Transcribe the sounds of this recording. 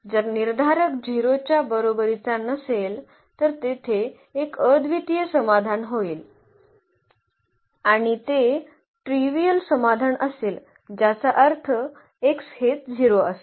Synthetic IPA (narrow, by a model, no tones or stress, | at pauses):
d͡zəɾniɾd̪ʱaɾəkd͡ʑʱiɾot͡ɕjabəɾobəɾit͡sanəsel | t̪əɾt̪et̪ʰeː | kəd̪ʱʋit̪ijəsəmad̪ʱanɦoiːl | aɽ̃it̪e | ʈɾiʋijəlsəmad̪ʱanʔəseːl | d͡ʑat͡saʔəɾt̪ʰə | ekshet̪̚d͡ʑʱiɾoəse̥